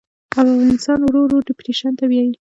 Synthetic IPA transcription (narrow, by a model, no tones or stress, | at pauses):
afɣɑnɪst̪ɑnwɾoɾoɖɪpɾeʃant̪awjɑji